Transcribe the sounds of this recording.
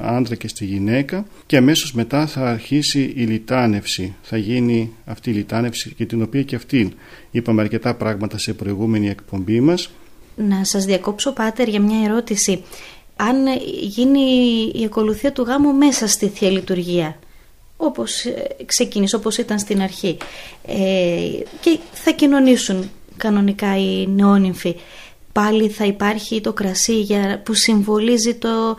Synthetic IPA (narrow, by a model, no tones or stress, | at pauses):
ɐ̰nd̪ɾɐce̞st̪iʝine̞kɐ | ceɐme̞so̞zme̞t̪ɐθɐːɾçisiilit̪ɐne̞fsiθɐʝiniɐft̪iːlit̪ɐne̞fsiʝɐt̪ino̞piɐceɐft̪in | ipɐmeɐɾce̞t̪ɐpɾɐɣmɐt̪ɐse̞pɾo̞iɣume̞nie̞kpo̞mbimɐs | nɐsɐzðiɐko̞pso̞pɐt̪e̞ɾʝɐmɲɐe̞ɾo̞t̪isi | ɐnʝinḭːɐko̞luθiɐt̪uɣɐmume̞sɐst̪iθelit̪uɾʝiɐ | o̞po̞skse̞ciniso̞po̞sit̪ɐnst̪inɐɾçiece̞θɐcino̞nisun | kɐno̞nikɐineo̞niɱfi | pɐliθɐipɐɾçit̪o̞kɾɐsiʝɐpusiɱvo̞lizit̪o̞